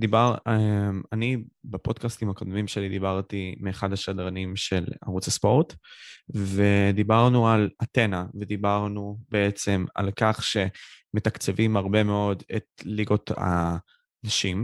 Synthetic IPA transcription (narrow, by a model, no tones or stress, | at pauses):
d̪ibaʁemanibapo̞dkast̪imhakod̪mimʃelid̪ibaʁt̪imeːχadhaʃadʁanimʃe̞la̰ʁut͡saspo̞ʁt̪ | ve̞d̪ibaʁnualate̞naved̪ibaʁnubeet͡se̞ma̰lkaχʃe̞me̞t̪akt͡sevimaʁbe̞me̞o̞dḛt̪̚liɡo̞t̪a̰ | naʃim